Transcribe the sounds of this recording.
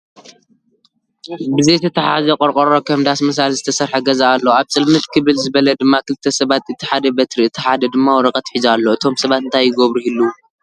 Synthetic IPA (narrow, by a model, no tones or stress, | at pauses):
bɨzejt̪ʰɐt̪ʰɐħazɐkʼɔɾqʼɔɾokʰɐmd̪asmɐs̬alzɨt̪ʰɐsɐɾħɐɡɐzaʔalːɐaβt͡sʼɨlmɨt̪kʰɨβɨlzɨβɐlɐd̪ɨmːakʰɨlɨt̪ʰːɐsɐβat̪ɨt̪ʰːiħad̪ɐbɐt̪ɾiɨt̪ʰːiħad̪ɐd̪ɨmːawɔɾɐkʼɐt̪ħizalːo̞ɨt̪ʰo̞msɐβat̪ɨnt̪ʰajːɪɡoβɾuhilːu